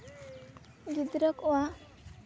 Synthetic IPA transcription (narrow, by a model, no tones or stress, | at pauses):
ɡid̪ɾɔkoa